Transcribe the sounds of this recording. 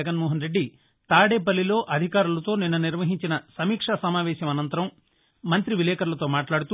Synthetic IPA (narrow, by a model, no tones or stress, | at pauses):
ɐɡɐnmɔːɦɐnɾeɖːi | t̪aːɽeːp̬ɐlːilo̞ːʔɐd̪ʱikaːɾulɐt̪o̞ːninːɐniɾʋɐɦiɲt͡ʃinɐsɐmiːkʂasɐmaːʋɛːʃɐmɐnɐnt̪ɐɾɐmː | ɐnt̪ɾiʋilɛːkɐɾlɐt̪o̞ːmaːʈlaːɽut̪u